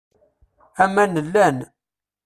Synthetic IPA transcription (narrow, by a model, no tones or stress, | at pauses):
æmænəlːæn